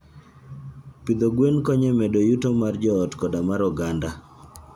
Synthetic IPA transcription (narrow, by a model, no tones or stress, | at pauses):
pid̪oɡwenkɔɲemɛdojutomard͡ʒɔːtkɔdamaɾɔɡanda